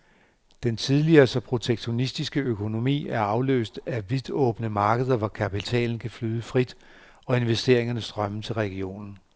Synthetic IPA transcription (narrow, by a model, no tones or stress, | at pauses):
d̥ent͡sʰiðˠliɐːsɒ̽pʰʁo̝t͡sʰeɡ̥ɕo̝nisd̥isɡ̥əøkʰo̝no̝mḭːæɐɑ̈ʊlø̰ːsd̥æʋið̥ˠɔ̰̽ːb̥nəmɑ̈ːɡ̥əð̞ˠɐʋɒkʰæpit͡sʰɛ̰ːln̩kʰæflyːðˠəfʁid̥ | ɒ̽e̝nʋesd̥e̝ɐ̰eŋɐnəsd̥ʁɶmət͡sʰe̝lʁɛɡ̥io̝̰ːnn̩